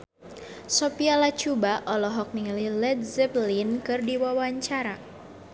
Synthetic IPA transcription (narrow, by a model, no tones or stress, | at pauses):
sɔpialat͡ʃubaʔɔlɔɦɔk̚niŋəlilɛd̪̚zɛblinkɨrdiwawaɲt͡ʃaɾa